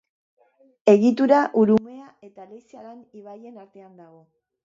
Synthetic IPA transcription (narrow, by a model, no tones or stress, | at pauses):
e̞ɣit̪uɾaʔuɾume̞ae̞t̪alejsiaɾeniβaje̞naɾt̪e̞and̪aɣ̞o̞